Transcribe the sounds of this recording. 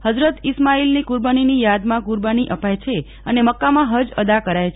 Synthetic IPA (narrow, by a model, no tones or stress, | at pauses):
həd͡ʒɾət̪ismailnikuɾbaninijad̪mãkuɾbaniʔəpajt͡ʃʰe | əneməkːamãɦəd͡ʒəd̪akəɾajt͡ʃʰ